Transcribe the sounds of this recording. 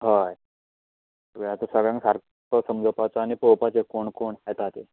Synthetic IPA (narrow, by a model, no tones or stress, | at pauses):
ɦaj | t̪əɡəjat̪əsəɡɭjãŋksaɾ | kəsəmd͡zəpat͡saːñipəwpat͡sekoɳkoɳajt̪at̪e